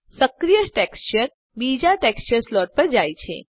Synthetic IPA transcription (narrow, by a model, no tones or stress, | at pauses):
səkɾijəsʈɛkst͡ɕəɾ | bid͡ʑaʈɛkst͡ɕəɾslɔʈ̚pəɾd͡ʑajt͡ɕʰḛ